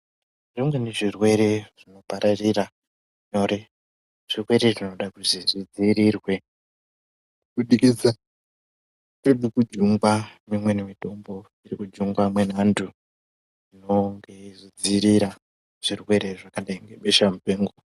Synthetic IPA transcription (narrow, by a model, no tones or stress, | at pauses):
ʐimwe̞neʐirwe̞ɾe̞ʐ̥ino̞paɾarira | ɲo̞ɾe | ʐ̥irwe̞ɾe̞ʐino̞ɗakuziʐid͡ziːɾiːrwe̞ | ɓuɗikisa | toɗukud͡ʒuŋɡwamimwe̞nemito̞mbo̞ | irikud͡ʒuŋɡwamwe̞nandu | ino̞ŋɡe̞ʐid͡ziɾiɾa | ʐ̥irwe̞ɾe̞ʐakaɗaiŋɡe̞ɓeʃamupeːŋɡo